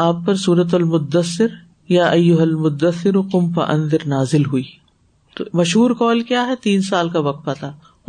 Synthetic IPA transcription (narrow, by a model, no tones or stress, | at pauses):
aːpːɐɾsuːɾɐt̪̬ɐlmʊd̪ːəsːɪɾ | jaːʔɐjːʊɦɐlmʊd̪ːɐsːɪɾuqʊmpɐ̰ʔɐ̰̃nd̪ɪɾnaːzɪlɦuiː | t̪o̰mɐʃɦuːɾkɔːlkjaːɦɛt̪iːnsaːlkaʋɐk̚t̪̚pɐt̪aː